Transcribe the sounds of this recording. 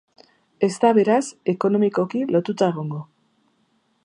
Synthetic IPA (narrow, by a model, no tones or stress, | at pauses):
e̞st̪aβe̞ɾase̞ko̞no̞miko̞kilo̞t̪ut̪aeɣ̞oŋɡo̞